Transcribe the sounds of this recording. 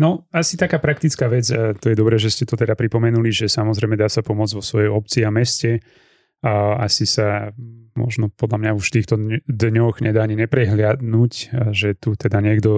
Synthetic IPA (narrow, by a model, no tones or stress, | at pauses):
nɔasit̪akaːpɾakt̪it͡skaːʋɛd͡zt̪ɔjɛd̪ɔbɾɛːʒɛscɛt̪ɔt̪ɛd̪apɾipɔmɛnuliʒɛsamɔzɾɛjmɛd̪aːsapɔmʊɔd͡zʋɔsʋɔjɔmɔp̚t͡siamɛscɛ | asisamɔ̰ʒnɔpɔd̪ʎamɲauʃt̪iːxt̪ɔd̪ɲɔɣɲɛd̪aːaɲiɲɛpɾɛɦlɪad̪nucʒɛt̪ut̪ɛd̪aɲɪɛɡd̪ɔ